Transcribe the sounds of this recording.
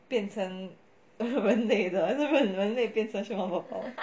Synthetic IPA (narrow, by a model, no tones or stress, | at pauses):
pjɛnt͡sʰəŋ | wənneɪd̪əaʂ̩wənwənneɪpjɛnt͡sʰɤŋɕwɑpɑpɑ̰ʊ